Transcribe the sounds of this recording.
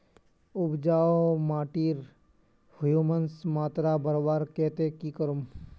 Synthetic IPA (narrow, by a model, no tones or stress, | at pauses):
ʊbd͡ʒaːomaːʈiːɾ | hʊjumənsmaːt̪ɾabəɾbaːɾkɛːt̪ekikəɾum